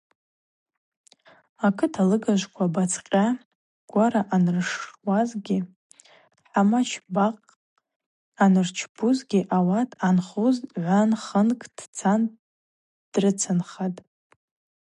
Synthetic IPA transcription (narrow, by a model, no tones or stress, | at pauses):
akʰɨtʰalɨɡaʒʷkʷʰabat͡sʰqʲʼa | ɡ̥ʷaɾaʔanɨrʂwazɡʲɪ | ħamat͡ʃʰbaqʼ | anɨrt͡ʃʰbuzɡʲɪʔawatʰʼanχuzʕʷanχənkʰʼd̥t͡sʰan | d̥rɨt͡sʰanχatʼ